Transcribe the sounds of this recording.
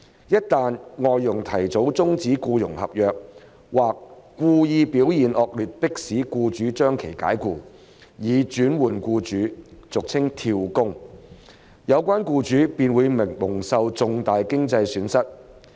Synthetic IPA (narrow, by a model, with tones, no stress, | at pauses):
jɐ˥t̚t̪aː˨˧nŋɔː˨jːʊ˨˩ŋt̪ʰɐ˨˩jt͡so˨˥wt͡sʊ˥ŋt͡siː˨˥kuː˧jʊ̰˨˩ŋhɐ̰˨p̚jœː˨˧k̚ | waː˨k̚kːʷuː˧jiː˧piː˨˥wjiː˨˩nʔɔː˨k̚lyː˨t̚pɪ˥k̚siː˨˥kuː˧t͡ʃyː˨˥t͡ʃœː˥ŋkʰe˨˩jka̰ː˨˥jkuː˧ | jiː˨˧t͡ʃyː˨˥nwuː˨˩nkuː˧t͡ʃyː˨˥t͡sʊ˨k̚t͡sʰɪ˥ŋt̪ʰiː˧wkʊ˥ŋ | jɐ˨˧wkʷaː˥nkuː˧t͡ʃyː˨˥piː˧nwuː˨˧jmɪ˨˩ŋmʊ˨˩ŋsɐ˧wt͡sʊ˨˧ŋt̪aː˨jkɪ˥ŋt͡sɐ˧jsyː˨˥nsɐ˥t̚